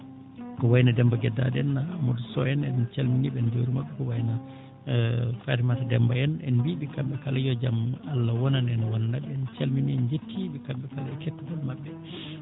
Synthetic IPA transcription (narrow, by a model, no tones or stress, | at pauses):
kɔwajnadɛmbaɡɛdːa̰dɛnːamodusɔjɛnɛnt͡ʃalminiɓɛnd͡ʒoɾimaɓːɛkɔwajna | faɾimatadɛmbajɛnɛ̰nbiɓikamɓɛkalajɔd͡ʒamalːawɔnanɛnwananaɓɛɛnt͡ʃalminiɛnd͡ʒetʰːiɓikamɓɛkalakɛtːɔɡɔlmaɓːɛ